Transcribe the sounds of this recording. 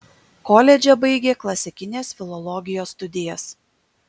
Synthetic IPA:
kɔːlʲɛd͡ʒʲɛbɐɪɡʲeːklˠɐsʲɪkʲɪnʲeːsfʲɪlˠɔlˠɔɡʲɪjoːst̪ʊd̪ʲɪjɛs

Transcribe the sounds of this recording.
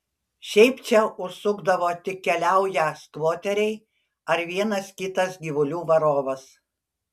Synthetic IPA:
ʃʲɛɪpt͡ʃʲɛʊʃsʊɡd̪ɐʋoːt̪ʲɪk̚ʲɛlʲæˑʊjæːskʋoːt̪ʲɛɾʲɛɪ | ɐɾʋʲiɛnɐskʲɪt̪ɐsɡʲiʋʊlʲuːʋɐɾoːʋɐs

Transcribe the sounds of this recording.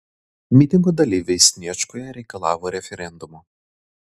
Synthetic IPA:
mʲɪt̪ʲɪŋɡoːd̪ɐlʲiːʋʲɛɪsʲnʲiɛt͡ʃkoːjɛɾʲɛɪkɐlˠɑːʋoːɾʲɛfʲɛɾʲɛnd̪ʊmo

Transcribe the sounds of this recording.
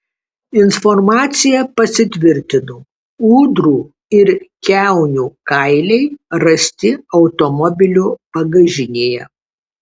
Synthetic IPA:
ɪnfɔɾmɑːt̪sʲɪjɛpɐsʲɪt̪ʲʋʲɪɾʲt̪ʲɪnʊ | uːd̪ɾuː | ɪɾkʲæˑʊnʲuːkɐɪlʲɛɪɾɐsʲt̪ʲɪɒʊt̪ɔmɔbʲɪlʲuːpɐɡɐʒʲɪnʲeːjɛ̰

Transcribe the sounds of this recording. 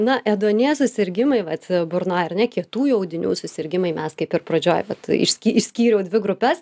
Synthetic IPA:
nɐʔɛd̪uɔnʲiɛsʊsʲɪɾʲɡʲɪmɐɪʋɐt̪bʊɾnoːjɐrnʲɛkʲiɛt̪uːjuɐʊd̪ʲɪnʲṵːsʊsʲɪɾʲɡʲɪmɐɪmʲɛskɐɪpɪɾprɐd͡ʒʲoːjʋɐt̪ɪ̰ʃʲsʲkʲiɪʃʲsʲkʲiːɾʲɛʊdʲʋʲɪɡɾʊpʲɛs

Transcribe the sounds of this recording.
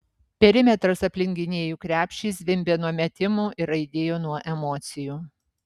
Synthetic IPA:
pʲɛɾʲɪmʲɛt̪ɾɐsɐpʲlʲɪŋʲɡʲɪnʲeːjuːkɾʲæːpʲʃʲt͡ʃʲiːs̬ʋʲɪmʲbʲeːnuɔmʲɛt̪ʲɪmuːʔɪɾɐɪd̪ʲeːjoːnuɔʔɛmɔt̪sʲɪjuː

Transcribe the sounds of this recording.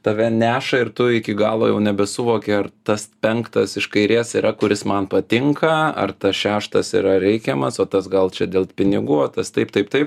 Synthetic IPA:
t̪ɐʋʲɛnʲæːʃɐɪrt̪ʊɪkʲɪɡɑːlˠo̰ːjɛʊnʲɛbʲɛsʊʋoːkʲeɐrt̪ɐspʲɛŋkt̪ɐsɪʃkɐɪɾʲeːsiɾɐkʊɾʲɪsmɐnpɐt̪ʲɪŋkɐɐ̰rt̪ɐsʃʲæːʃt̪ɐsḭɾɐɾʲɛɪkʲɛmɐsoːt̪ɐsɡɐlˠt͡ʃʲɛd̪ʲeːlˠpʲɪnʲɪɡuːɐt̪ɐst̪ɐɪpt̪ɐɪpt̪ɐɪp

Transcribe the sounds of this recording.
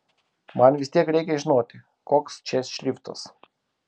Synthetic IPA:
manʋisʲt̪ʲikɾekʲeʒnot̪ʲɛ | kɔkst͡ʃɛsʃlʲift̪ɔ̰s

